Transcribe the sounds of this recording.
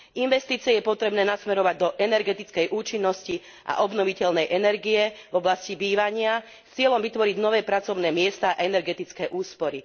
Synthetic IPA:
ʔinʋɛst̪iːt͡siɛjɛpɔt̪ɾɛbnɛːnasmɛɾɔʋaɟd̪ɔʔɛnɛɾɡɛt̪it͡skɛjʔuːt͡ʃinːɔsci | ʔa̰ʔɔbnɔʋicɛlnɛjʔɛnɛɾɡijɛvɔblascibiːʋaɲɪa | st͡sɪɛlɔmʋit̪ʋɔɾiɟnɔʋɛːpɾat͡sɔʊnɛːmɪɛst̪aaɛnɛɾɡɛt̪it͡skɛːʔuːspɔɾi

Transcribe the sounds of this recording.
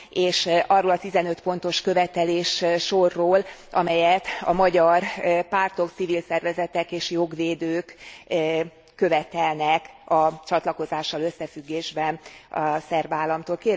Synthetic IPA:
eːʃɒrːoːlɒt̪izɛnø̞t̪po̞n̪t̪o̞ʃkøvɛt̪ɛleːʃʃo̞rːoːlʔɒmɛjɛt̪ɒmɒɟɒrpaːrt̪o̞kt̪sivilsɛrvɛzɛt̪ɛkeːʃjo̞ɡʋeːd̪øːk | ø̞vɛt̪ɛlnɛkɒt͡ʃɒt̪lɒko̞zaːʃːɒlø̞sːɛfyɡːeːʒbɛnɒsɛrbaːlːɒmt̪oːlkeː

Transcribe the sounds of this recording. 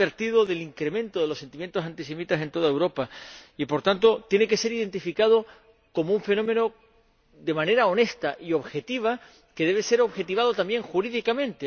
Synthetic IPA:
e̞ɾt̪iðo̞ðe̞liŋkɾe̞mẽnt̪o̞ðe̞lose̞nt̪imje̞nt̪osant̪ise̞mit̪ase̞nt̪o̞ð̞aewɾo̞paipo̞ɾt̪ant̪o̞t̪jeneke̞se̞ɾiðe̞nt̪ifikað̞o | ko̞mouɱfe̞nõ̞mẽ̞no̞ | d̪e̞mãneɾao̞ne̞st̪aʔio̞βxe̞t̪iβ̞a | ke̞ðe̞β̞ese̞ɾoβxe̞t̪iβ̞að̞o̞t̪ambje̞ŋxuɾiðikamẽ̞nt̪e

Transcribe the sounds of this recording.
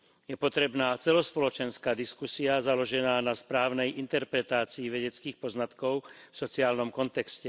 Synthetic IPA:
jɛpɔt̪ɾɛbnaːt͡sɛlɔspɔlɔt͡ʃɛnskaːd̪iskusiazalɔʒɛnaːnaspɾaːʊnɛjint̪ɛɾpɾɛt̪aːt͡siːʋɛɟɛt͡skiːxpɔznat̪kɔʊfsɔt͡siaːlnɔmkɔnt̪ɛkscɛ

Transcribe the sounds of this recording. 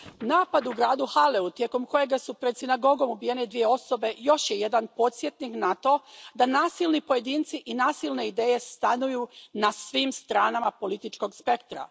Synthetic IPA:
naːpad̪uɡɾaːd̪uhaleut̪je̞ko̞mko̞je̞ɡasupɾed̪sinaɡo̞ɡo̞mubije̞ne̞d̪ʋije̞o̞so̞be̞jo̞ʃje̞je̞d̪anpo̞t̪sje̞t̪niknat̪o̞d̪anaːsilˠnipo̞je̞d̪iːnt̪siʔinaːsilˠne̞id̪e̞ːje̞st̪anujunasʋiːmst̪ɾaːnamapo̞lit̪it͡ʃko̞ɡspe̞kt̪ɾa̰

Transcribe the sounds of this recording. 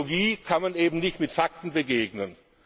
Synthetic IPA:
ɡiːkʰanmaneːbm̩nɪçtmɪtfak̚tn̩bəɡeːɡnən

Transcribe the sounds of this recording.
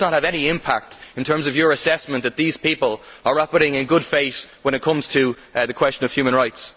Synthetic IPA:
nət̚həvɛñiɪ̃mpʰa̰k̚tɪ̃n̩tʰɜ̃˞mzʌvjə˞ɨsɛsmə̃nðət̪̚ðiz̥pipəlˠə˞ɹapəɾɪ̃ŋɪ̃nɡʊd̥feɪθwə̃ñɨt̚kʰʌ̃mz̥tʰɨ | ðɨkʰw̥ɛst͡ʃə̃nʌv̥jʉːmə̃nɹaɪts

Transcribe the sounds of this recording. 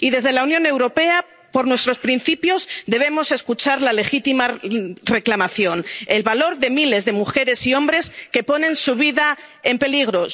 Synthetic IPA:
iðe̞zðe̞launjõne̞wɾo̞pe̞a | po̞ɾnwe̞st̪ɾo̞spɾinθipjo̞zðe̞β̞e̞mo̞se̞skut͡ʃaɾlale̞xit̪imare̞klamaθjo̞nelβalo̞ɾðe̞mile̞zðe̞muxe̞ɾe̞siõ̞mbɾe̞ske̞po̞nẽ̞nsuβ̞iða | e̞mpe̞liɣɾo̞

